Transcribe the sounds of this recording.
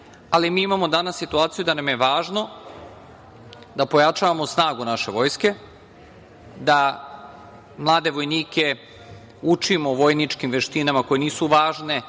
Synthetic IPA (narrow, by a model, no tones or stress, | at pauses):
alimiːimamo̞d̪anasːit̪uaːt̪sijud̪anamje̞ʋaːʒno̞ | d̪apo̞jat͡ʃaʋamosnaːɡunaʃe̞ʋo̞ːjske̞ | d̪a | mlˠaːd̪e̞ʋo̞jniːke̞ | ut͡ʃimoʋo̞jnit͡ʃkimʋe̞ʃt̪inamako̞je̞niːsuʋaːʒne̞